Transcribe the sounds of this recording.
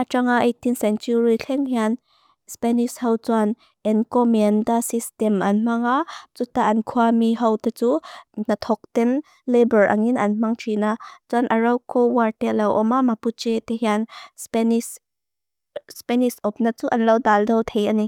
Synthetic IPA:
ʔat͡ʃaŋaʔejt̪insɛnt͡ʃuɹiɬʰɛŋhian | spɛnishɐwt͡swan | ʔɛnkɔmɛndasistɛmʔɐnm̥aŋat͡sut̪aʔɐnkʰuamiɦɐwt̪at͡sunɐt̪ʰɔk̚t̪ɛn | lebəɹʔa̰ŋinʔɐnm̥aŋtʰinat͡suanʔɐɹɐwkɔwartɛlɐwʔɔmamaput͡ʃet̪eɦianspɛnis | spɛnisɔp̚nat͡suʔɐnlɐwdaldɐwt̪ʰejʔani

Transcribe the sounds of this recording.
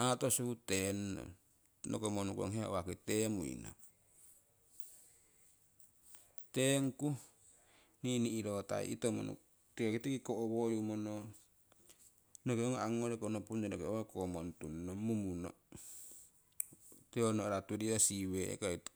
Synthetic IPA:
at̪osuut̪enːo̰ | nokomonukuo̰ŋɦea̰waket̪emuḭno̰ | t̪eŋku | niniːɾot̪a̰ḭʔḭt̪omo̰nṵ | t̪ikakit̪ekikoʔowojumono | nokeoŋoʔaŋoɾekonopund͡ʒenokeowokomont̪unːomumuno̰ | t̪eonoɾat̪udiasiwḛkait̪

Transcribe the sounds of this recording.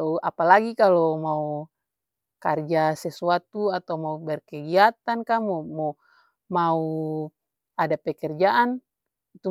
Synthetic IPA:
apalaɡikalɔmau | kard͡ʒasɛsuat̪uat̪aumaubɛrkɛɡiat̪ankamɔmɔ | mau | adapɛkɛrd͡ʒaʔan | it̪u

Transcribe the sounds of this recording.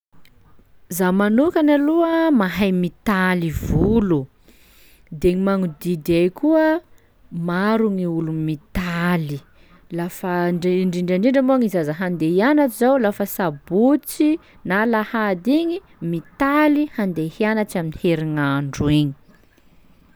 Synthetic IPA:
zamanukanaluəmaɦajmit̪alivulu | d̪eɲimaŋud̪id̪ajkuə | maɾuŋiulumit̪ali | lafəɳɖ͡ʐiɳɖ͡ʐaɳiɳɖ͡ʐəmuaŋizazaɦand̪ejanaʈ͡ʂizawlafəsabut͡si | nalahad̪iɲi | mit̪alihand̪ehianaʈ͡ʂaminiheɾiŋaɳɖ͡ʐueɲi̥

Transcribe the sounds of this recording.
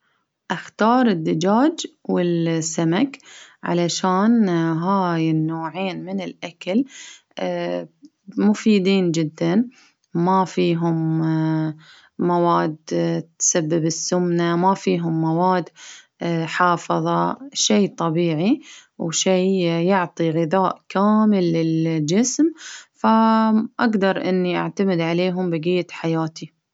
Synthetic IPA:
ʔaxt̪ɑːɾˤɪd̪ːad͡ʒaːd͡ʒwɪlsːamakʕa̰laʃaːnɦaːjɪnːoːʕeːnmɪnɪlʔakal | mʊfiːd̪iːnd͡ʒɪd̪ːan | mafiːɦʊm | awaːd̪t̪sabːɪbɪsːʊmnamafiːɦʊmːawaːd̪ | ħɑːfɨðˤɑʃeːt̪ˤɑbiːʕiwʃiːjʊʕt̪ˤiɣɪðaːʔkaːmɪlːɪld͡ʒɪsmfaʔaɡd̪ɑɾˤʔɪ̰nːiʔa̰ʕt̪amɪd̪ʕaleːɦʊmbɪɡɪjːaħajaːt̪i

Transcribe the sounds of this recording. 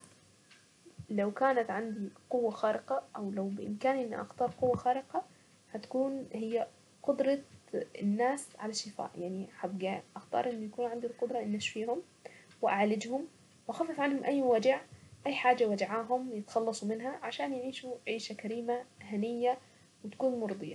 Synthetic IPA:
lawkaːnat̪ʕand̪iqʊwːaxaːɾʔɪqɑʔawlawbɪʔɪ̰mkaːnʔɪnːḭʔa̰xt̪ɑːɾˤqʊwːaxaːɾɪqɑ | hat̪ḁkuːnhɪjːa | qʊd̪ɾˤɑɪ̰nːaːsʕalaʃːɪfa̰ːʔjaʕniħabɡaʔaxt̪ɑ̰ːɾˤʔɪnːʊjakuːnʕand̪ilqʊd̪ɾˤɑʔɪnːaʃfiːhʊm | wɪʔaʕlɪd͡ʒhʊm | wʔaxaːfːɑfˤʕanhʊmʔajːwad͡ʒaʕʔajːħaːd͡ʒːawad͡ʒʕaːɦʊmwjɪt̪xɑlːɑsˤumɪnɦaʕaʃaːnjʕiːʃuʕiːʃakaɾiːmahanɪjːa | wɪt̪ḁkuːnmʊɾˤd̪ˤɨjɑ̰

